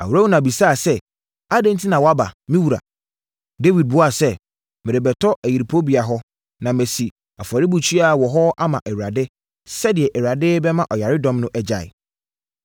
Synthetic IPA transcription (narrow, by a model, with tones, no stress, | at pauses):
a̰˨wu˨ɾa˦wu˦nã˨bi˨sa˦˨sɛ˦ | a˦dɪ̃˦n̩˦tʰi˦nã˨wɔ˨˦a˦ba̰˨mĩ˦wu˨ɾa̰˨ | de˦wi˨d̚bʊ˦a˨sɛ˦ | mɪ˨ɾe˨bɛ˨tʰɔ˦æ˨ji˨ɾi˨pʰo˦bi˨a˨ɦɔ˦ | nã˨me˨si˨ | a˨fa˨ɾɪ˦bu˨t͡ɕʰi˦a˨wɔ˨ɦɔ˦a˦mã̰˨ʔɛ˨ɥɾa˨dɪ˦ | sɛ˦dɪ˨ɛ˨ʔɛ˨wɥɾa˨dɪ˦bɛ˦mã˦ʔɔ˨ja˨ɾɪ˦dɔ̃˦mnʊ̃˦ʔɛ˦d͡ʑa̰˨ɪ̰˨